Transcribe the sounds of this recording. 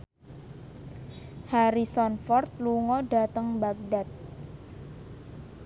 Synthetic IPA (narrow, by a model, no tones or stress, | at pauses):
haɾisɔnfɔrt̪̚luŋɔɖa̤t̪əŋbak̚dat̪̚